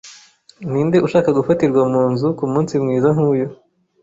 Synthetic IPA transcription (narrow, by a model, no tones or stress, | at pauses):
niːndeʔuʃaːkaɡufatiɾɡwamuːnzukumuːnsimŋiːzaŋ̥huːjo